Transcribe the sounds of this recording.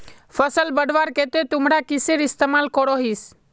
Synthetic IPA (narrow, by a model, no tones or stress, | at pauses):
fʰəsəlbəɽʋaːɾket̪et̪ʊmɾakɪseɾɪst̪eːmaːlkɔɽoɦiːs